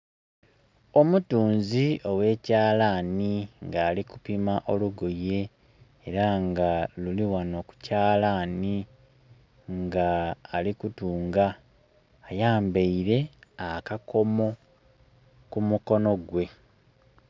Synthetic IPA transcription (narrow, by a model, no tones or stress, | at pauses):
o̞mutuːnzio̞we̞ːcaːlaniŋɡaːlikupimaʔo̞luɡoje̞ː | ɾaŋɡaluliwano̞ku̥caːlani | ŋɡaːlikutuːŋɡaː | jaːmbeiɾe̞akakʰo̞mo̞ | kumuko̞no̞ɡwe̞